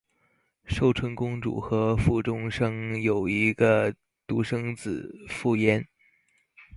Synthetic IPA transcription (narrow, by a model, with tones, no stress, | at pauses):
ʂo˥˩ʊʈ͡ʂʰwə˧˥ŋkʊ˥ŋʈ͡ʂṵ˨˩xɤ˧˥fu˥˩ʈ͡ʂʊ˥ŋʂɤ˥ŋjo˨˩ʊi˧˥ɡə˧ | t̪u˧˥ʂɤ˥ŋt͡sɹ̩˨˩fu˥˩jɛ˥n